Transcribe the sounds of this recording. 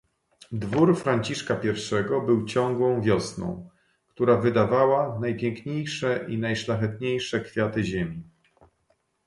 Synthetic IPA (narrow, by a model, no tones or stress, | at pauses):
d̪vuɾfɾaɲt͡ɕiʂkapʲjɛɾfʂɛɡɔbɘwt͡ɕɔ̃ŋɡwɔ̃w̃vʲjɔsnɔ̰̃w̃ | kt̪uɾavɘd̪avawanajpʲjɛŋkɲejʂɛʔinajʂlaxɛt̪ɲejʂɛkfʲjat̪ɘʑemʲi